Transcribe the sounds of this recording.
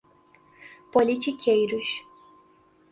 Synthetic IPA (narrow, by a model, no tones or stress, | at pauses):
polʲit͡ʃikʲʰejɾuʃ